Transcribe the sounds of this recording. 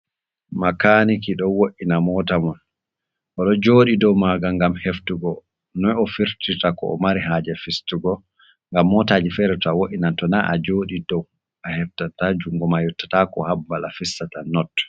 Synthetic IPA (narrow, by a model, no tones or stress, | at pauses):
makanikiɗɔwoʔinamɔtamɔn | ʔɔɗɔd͡ʒoːɗidɔwmaɡaŋɡamheftuɡɔ | nɔjɔfiɾtitakɔ̰ɔ̰maɾiɦaːd͡ʒɛfistuɡɔ | ŋɡamːɔtaːd͡ʒifɛɾɛtɔawoʔinantɔnaʔad͡ʒoːɗidɔw | ʔahɛftatad͡ʒuŋɡɔmajutːḁtakɔ̰habːalafisːatanɔtːɔ̥